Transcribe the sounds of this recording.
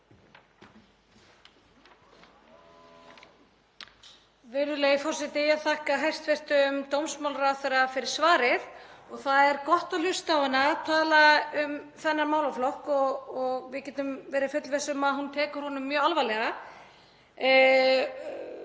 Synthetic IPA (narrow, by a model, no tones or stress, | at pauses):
vɛːɾʏleːjɪfɔr̥sɛht̪ɪaðθahkaɦajr̥t̪fɛr̥t̪ʏʏmt̪owmsmawlraθɛɾafɪɾɪɾ̥svaːɾɪðɔɣθaðɛɾkɔht̪alʏ̥st̪awɪnat̪ʰaːlaʏm | θɛnːaɾmaːwlaflɔhkɔɣɔɣvɪðcɛːt̪ʏmvɛːɾɪfʏt̪lvɛsʏmaðhunt̪ʰɛːkʏɾ̥hɔnʏmːjœːalvajlɛɣa